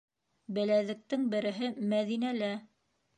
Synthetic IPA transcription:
bɘ̆læðɘ̆k̚t̪ɘŋbɘ̆ɾɘ̆ɦɘmæðinælæ

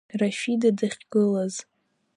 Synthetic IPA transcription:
raʃidadaχʲɡɨlaz

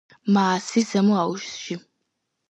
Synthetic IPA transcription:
maːsizɐmuaːwʒsʒi

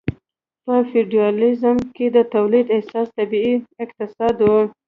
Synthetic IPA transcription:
pəfiɖijɑlɪzmked̪ət̪awlid̪ɪhsɑst̪abiiɪqt̪ɪsɑd̪wu

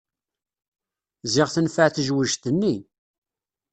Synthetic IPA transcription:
zɪʁθənfəʕθʒwəʒt̪ənːi

